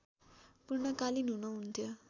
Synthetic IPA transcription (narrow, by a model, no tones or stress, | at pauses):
puɾɳəkaliːnunəunt̪jə